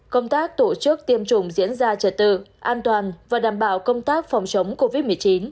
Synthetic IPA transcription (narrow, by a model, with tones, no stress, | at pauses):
kə˧wŋ͡mt̪aː˦˥k̚t̪o˧˩t͡ɕɨ˦˥ək̚t̪i˧əmt͡ɕʊ˧˩ŋ͡mzḭ˧˥ənzaː˧t͡ɕə˨˩t̚t̪ɨ̰˧˨ʔaː˧nt̪waː˨˩nvaː˨˩ɗaː˧˩mɓaː˧˩wkə˧wŋ͡mt̪aː˦˥k̚fɔ˨˩wŋ͡mt͡ɕə˨˦wŋ͡mko˧vi˦˥t̚mɨ˨˩əjt͡ɕi˨˦n